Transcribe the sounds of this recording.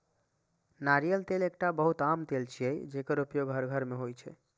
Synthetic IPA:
naɾijəlt̪elek̚ʈabəɦut̪amt̪elt͡ʃʰijɛjd͡ʒekəɾupjoɡɦəɾɡʱəɾmeɦojt͡ʃʰɛ̰

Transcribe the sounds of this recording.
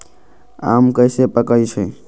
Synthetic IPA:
a̰ːmkəɪsepəkəit͡ʃʰɛ

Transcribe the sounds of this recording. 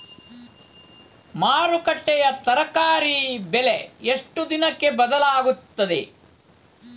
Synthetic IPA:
maːɾukɐʈːɛjɐt̪ɐɾɐkaːɾibɛleeʂʈud̪inɐkːe̞bɐd̪ɐlaːɡut̪ːɐd̪ḛ

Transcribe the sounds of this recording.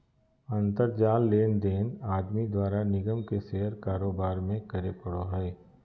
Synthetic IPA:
ɐ̃nt̪əɾd͡ʒaːlːeːnd̪eːnaːd̪mid̪waːɾanɪɡəmkeseɦəɾkaːɾoːbaːɾmẽkɐɾepəɽoɦɛː

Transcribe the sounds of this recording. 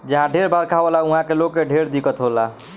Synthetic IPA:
d͡ʒəɦãɖʱeɾbaɾkʰabəlaũɦãkelokːeɖʱeɾd̪ikət̪ɦola

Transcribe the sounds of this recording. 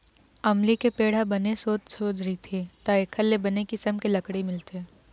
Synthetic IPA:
ɐmlikepeːɽ̤abɐnesoːt̪soːd͡ʒɾɐɦit̪ʰet̪aekʰɐlːebɐnekisɐmkelɐkɽimɪlt̪eː

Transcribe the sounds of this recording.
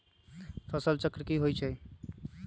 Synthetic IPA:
pʰəsəlt͡ʃəkɾəkiɦojt͡ʃʰɛ

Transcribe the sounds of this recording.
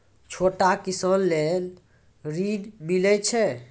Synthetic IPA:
t͡ʃʰoʈakisəllel | ɾinmilɛt͡ʃʰɛ

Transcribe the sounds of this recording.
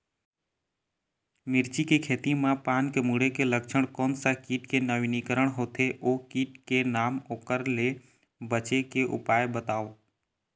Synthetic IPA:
mɪɾt͡ʃikekʰeːt̪ĩmãpaːnkemuːɽekelək̚t͡ʃʰəɽ̃kõːnsakiːʈkenəʋinikəɾəɳ̃ɦoːt̪ʰeʔoːkiːʈkenaːmoːkəɾle | bət͡ʃekeʔʊ̰paːjebət̪aːoː

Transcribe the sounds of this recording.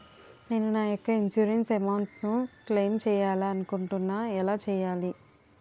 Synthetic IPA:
ne̞ːnunaːjɔkːɐinsjuːɾensɐmawɳʈnukleːmt͡ʃɛːjaːlaɐnukuɳʈunːaːɛlaːt͡ʃɛːjaːli

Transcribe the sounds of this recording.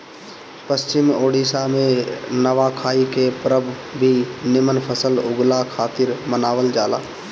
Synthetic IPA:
pəst͡ʃɪmoːɽiːsamẽnəʋakʰaːikepɾəbʱbʱinɪmənpʰəsəlʊɡlakʰaːt̪ɪɾmənaːʋəld͡ʒaːla̰ː

